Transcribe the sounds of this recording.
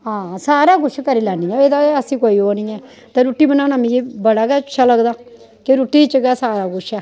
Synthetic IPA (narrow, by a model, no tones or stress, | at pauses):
ɦãːsaːɾaːɡʊʃʰkəɾiːlɛːniːɛ̃eːd̪aəsĩːkoːiːɦoːniːɛː | t̪ẽɾuːʈːiːbənaːnaːmiːd͡ʒibəɽaːɡɛːt͡ʃʰːaːləɡd̪aː | keɾʊʈːiːt͡ʃəɡɛːsaːɾaːɡʊʃɛː